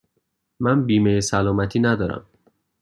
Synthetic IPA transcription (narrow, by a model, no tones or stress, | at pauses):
mænbiːmejesælɒːmæt̪ʰiːnæd̪ɒːɾæ̰m